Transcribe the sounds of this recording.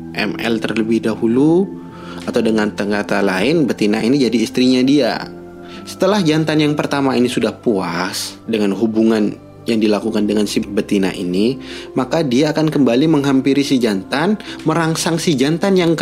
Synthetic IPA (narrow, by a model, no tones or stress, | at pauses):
ʔɛ̰mɛ̰lt̪ərləbɪhdahulu | at̪awdəŋant̪əŋɡat̪alaɪnbət̪inainid͡ʒadiːst̪ɾiɲadia̰ | sə̥t̪əlahd͡ʒant̪anjaŋpərt̪amainisudahpuasdəŋanɦubuŋan | jaŋdilakukandəŋansibət̪ina̰ʔḭnimakadiaːkankəmbaliməŋɦampiɾisid͡ʒant̪anməɾaŋsaŋsid͡ʒant̪anjaŋ